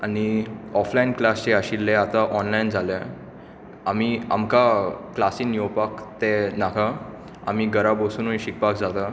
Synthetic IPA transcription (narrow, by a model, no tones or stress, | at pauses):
añiɔflainklast͡ɕeaɕilːɛat̪aʔɔnlaind͡zʱalɛ̃ | amia̰mkaklasinjopakt̪ɛnakʰa | a̰miɡəɾabosuːnujɕik̚pakd͡zat̪a